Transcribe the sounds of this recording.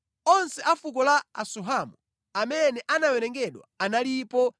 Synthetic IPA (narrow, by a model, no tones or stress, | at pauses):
ɔnsɛʔafuk̬ɔlaa̰suɦamu | amɛnɛʔanawɛnɛŋɡɛɗwa̰analipɔ